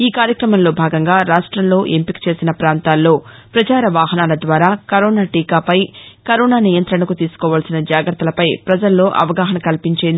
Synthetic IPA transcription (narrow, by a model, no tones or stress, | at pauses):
iːkaːɾjɐkɾɐmɐmlo̞ːbʱaːɡɐŋɡaːɾaːʂʈɾɐmlo̞ːʔempiki̥t͡ʃe̞ːsinɐpɾaːnt̪aːlːo̞ː | pɾɐt͡ʃaːɾɐʋaːɦɐnaːlɐd̪ʋaːɾaːkɐɾoːnaːʈiːkaːpɐjkɐɾɔːnaːnijɐnt̪ɾɐɳɐkut̪iːsu̥kɔːʋaːlsinɐd͡ʒaːɡɾɐt̪ːɐlɐpɐjpɾɐd͡ʒɐlːo̞ːʔɐ̰ʋɐɡaːɦɐnɐkɐlpiɲt͡ʃeːnd̪